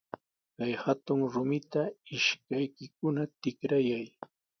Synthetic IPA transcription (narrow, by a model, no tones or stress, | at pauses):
kajhat̪ʊŋɾʊmɪt̪aɪʃkajkɪkʊnat̪ɪkɾajaj